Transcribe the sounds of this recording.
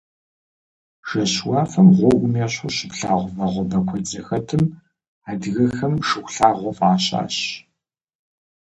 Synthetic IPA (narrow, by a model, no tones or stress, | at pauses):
ʒ̥ɐɕwɑːfɐmʁʷɔʔʷʊmeːɕʊɕɪpɬaːʁʷʊvɐʁʷɔbɐkʷʰɔd͡zɐxɐtʰɨm | aːdɣɐxɐmʂɨxʷɬaːʁʷɔfʼaːɕa̰ːɕ